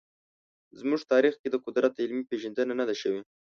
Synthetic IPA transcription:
zmuʐt̪ɑɾixked̪əqʊd̪ɾat̪ɪlmipeʒand̪ənanad̪aʃəwi

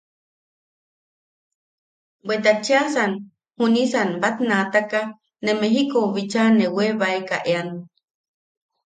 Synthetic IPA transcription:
bwed̪at͡ʃeasan | hunisanbat̪nat̪aka | nemeɦikoβit͡ʃaneweβaekaʔeano

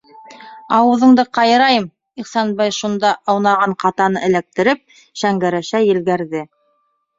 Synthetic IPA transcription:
ɑwɤ̆ðɤ̆ɴd̪ɤqɑjɤ̆ɾɑjɤm | iχsɑnbɑjʃund̪ɑʔɑwnɑʁɑɴqɑt̪ɑnɤɘ̆læk̚t̪ɘ̆ɾɘp̚ | ʃæŋɡæɾæʃæjɘ̆lɡæɾðɘ

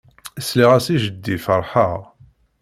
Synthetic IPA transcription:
əsliʁæsiʒəd̪ːifəɾˤħəʁ

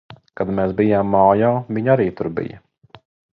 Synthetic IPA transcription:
kad̪meːsbijaːmːaːjaːviɲaɾiːt̪uɾbḭjɐ

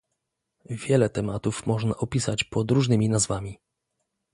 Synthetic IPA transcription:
vʲjɛlɛt̪ɛmat̪ufmɔʐnaʔɔpʲisat͡ɕpɔd̪ɾuʐnɘmʲinazvamʲi

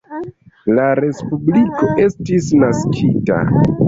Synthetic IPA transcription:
laɾe̞spubliko̞ʔe̞stisnaskʰita̰

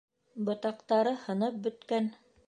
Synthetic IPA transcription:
bɤ̆t̪ɑqt̪ɑɾɤhɤ̆nɤp̚bɵ̆t̪kæn

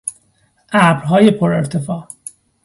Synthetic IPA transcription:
ʔæbɾɦɒːje̞pʰoɾe̞ɾt̪ʰe̞fɒː

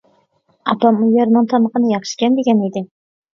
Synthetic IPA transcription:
ɑpɑmʊjɑɾnɑnt̪ʰɑməqənɪjɑχʃɪ̥kʲɛnd̪eɡʲæned̪ɪ

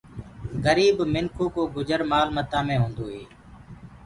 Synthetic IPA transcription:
ɣəɾiːbmɪnkʰuːkoːɡʊd͡ʒəɾmaːlmət̪ãːmẽːɦũːnd̪oːɦeː

